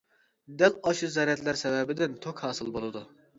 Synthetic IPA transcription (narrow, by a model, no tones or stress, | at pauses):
d̪ɛlɑʃɨzɛɾɛt̪læɾsɛvɛbɪd̪ɪnt̪ʰokhɑːsɨlˠbolˠɨd̪u